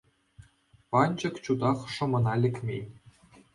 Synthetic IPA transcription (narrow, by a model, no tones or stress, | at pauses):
pɑnʲd͡ʑɤ̆kt͡ɕud̪ɑχʂɤ̆mɤ̆nɑlʲɘ̆kʲmʲḛnʲ